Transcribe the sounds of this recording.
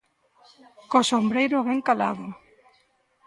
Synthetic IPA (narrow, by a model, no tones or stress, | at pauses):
kosombɾejɾʊβɛŋkala̰ðʊ